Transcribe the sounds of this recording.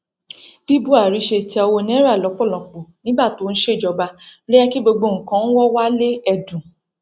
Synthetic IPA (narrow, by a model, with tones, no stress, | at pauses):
bi˦bu˦a˨ɾi˨˦ʃe˧ti˦ɔ˧wo˧nĩ˦ɛ˦ɾa˦˨lɔ˨˦k͡pɔ˦˨lɔ̃˨k͡po˨nĩ˨˦ba˦˨to˨˦n̩˦ʃe˦˨d͡ʒɔ˧ba˧˦ɾɛ˦ɛ˦ki˦ɡ͡bo˧ɡ͡bo˧˨ŋ̩˨kã˨˦n̩˦wɔ˦wa˦le˦ɛ˧dũ˨